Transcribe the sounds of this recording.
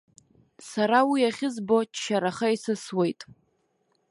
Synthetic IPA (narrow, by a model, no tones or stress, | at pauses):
saɾawiaχʲɪzbo̞t͡ʃʰʃaɾaχaisɨswe̞jtʼ